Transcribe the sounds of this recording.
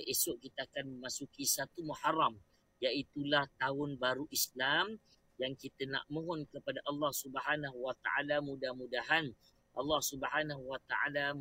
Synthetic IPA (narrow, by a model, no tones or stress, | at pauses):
ʔesʊʔkit̪aakanməmasukisat̪umuħaram | jaʔit̪ulaht̪aʊnbaɾuʔislam | jaŋkit̪əna̰ʔmõɦɔnkəpadaʔɑlːɑhsubəɦanaɦwat̪a̰ʔalamũdahmũdaɦan | ʔɑlːɑhsubəħanaɦuwat̪aʔa̰la